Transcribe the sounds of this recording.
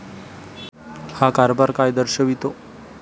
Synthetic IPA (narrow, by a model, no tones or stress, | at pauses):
hakaɾbaɾkajd̪əɾɕəʋit̪o